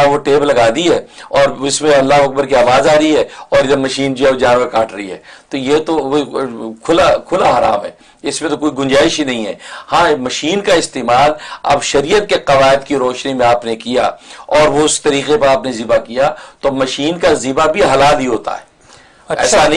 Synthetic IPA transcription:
ʋoʈeːblɐɡaːd̪iɦɛːɔːɾɪsmẽɐlːaɦoɐk̚bəɾkiaːʋaːzaːɾiɦɛːɔːɾəmɐʃiːnd͡ʒiɛod͡ʒãːnʋekaːʈʰɾɐiɦɛ̰ːt̪ojet̪o | kʰʊlakʰʊlaɦɐɾa̰ːmɦɛ̰ː | ɪsmẽt̪okoːiɡʊ̃nd͡ʒaːɪʃinɐɦĩɦɛ̰ːhãːmɐʃiːnkaɪst̪eːmaːlɐ̰bʃɐɾijət̪̚keqɐʋaːɪd̪kiɾɔːʃnimẽaːpnekija̰ːɔːɾʋoʊst̪ɐɾiːqepɐɾaːpnezɪbakijat̪omɐʃiːnkazɪbabʱiɦɐlaːlɦiɦoːt̪a̰ɦɛː | ɛ̰ːsanɐ

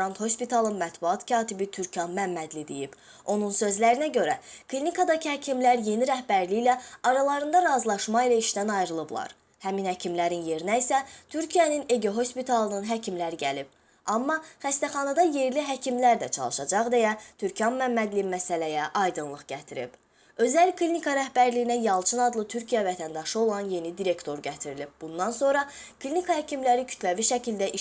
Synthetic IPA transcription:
ɑnt̪ho̞spit̪ʰɑlˠɯnmæt̪buɑt̪cʰɑːt̪ibit̪ʰyɾcʰɑnmæmːæd̪lid̪ḛjib | o̞nunsø̞zlæɾinæɟø̞ɾækʰlinikʰɑd̪ɑcʰihæcʰimlæɾje̞niɾæhbæɾlijlæɑɾɑlˠɑɾɯnd̪ɑɾɑzlˠɑʃmɑilæiʃd̪ænɑjɾɯlˠɯblˠɑ̰ɾ | hæminhæcʰimlæɾinje̞ɾinæisæt̪ʰyɾcʰijænine̞ɡoɦo̞spit̪ʰɑlˠɯnɯnɦæcʰimlæɾiɟælib̥̚ | ɑmːɑχæst̪æχɑnɑd̪ɑje̞ɾliɦæcʰimlæɾd̪æt͡ʃʰɑ̰lˠɯʃɑd͡ʒɑʁd̪ejæt̪ʰyɾcʰɑnmæmːæd̪limæsælæjæʔɑjd̪ɯnlˠɯʁɟæt̪ʰiɾḭb̥ | ø̞zælkʰlʲinikʰɑɾæhbæɾliinæjɑlˠt͡ʃʰɯnɑd̪lˠɯt̪ʰyɾcʰijævæt̪ʰænd̪ɑʃɯo̞lˠɑnje̞nid̪iɾe̞kt̪ʰo̞ɾɟæt̪ʰiɾilib̚bund̪ɑnso̞nɾɑkʰlʲinikʰɑhæcʰimlæɾicʰy̥t̪ʰlæviʃæcʰild̪æʔi

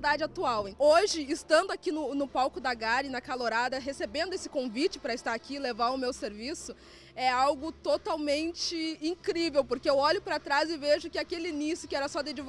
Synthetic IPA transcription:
d̪ad͡ʒɪat̪uawẽoʒɪːst̪ɐ̃nd̪ʊakinʊnʊpawkʊd̪aɡaɾɪnɐkaloɾad̪ɐɦesebẽnd̪ʊesɪ̥kõvit͡ʃɪ̥pɾɐɪst̪aɾakilevaɾʊmewseɾvisʊ | ɛawɡʊt̪ot̪awmẽnt͡ʃɪĩkɾivewpoɾkeewɔʎʊpɾat̪ɾazɪveʒʊkɪakelɪinisjʊkɪɛɾɐsɔd̪ed͡ʒiv

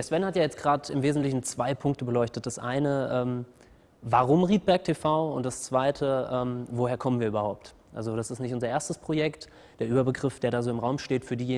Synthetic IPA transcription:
ɛɐsv̥ɛnhatjaːjɛt͡stɡ̥ʁaːtɪmveːzn̩tlɪçn̩t͡sv̥aɪpʰʊŋktəbəlɔʏçtət̚d̥asʔa̰ɪnəʔɛːm | vaʁ̞ʊmʁiːt̚b̥ɛɐk̚tʰefaʊʊntd̥ast͡sv̥aɪtʰəʔɛːmvoheːɐkʰɔmənviːɐyːbɐhaʊp̚t | ʔa̰lzoɾasɪstnɪçtʔʊnzɐʔeːɐstəspʁ̥ojɛkt | d̥eːɐʔyːbɐbəɡʁɪfd̥eːɐɾaːzoːɪmʁaʊmʃteːtfyːɐdiːjeː

